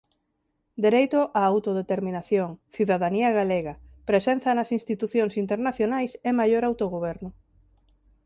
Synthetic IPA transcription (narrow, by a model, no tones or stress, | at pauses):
d̪eɾejt̪oʔaːwt̪oðet̪eɾmĩnaθjoŋθiðaðaniaɣaleɣapɾesen̟θɐnɐsinst̪it̪uθjoŋsint̪eɾnaθjonajsɛmajoɾawt̪oɣ̞oβ̞ɛɾnʊ